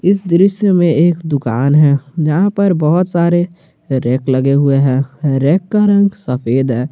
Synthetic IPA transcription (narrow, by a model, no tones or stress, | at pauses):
ɪsd̪ɾɪʃjəmẽeːkd̪ʊka̰ːnɦɛːd͡ʒəɦãpəɾbɔɦʊt̪saːɾe | ɾɛːkləɡeɦʊeɦɛ̃ːɾɛːkːəɾə̃ŋɡsəfʰeːd̪ɦɛː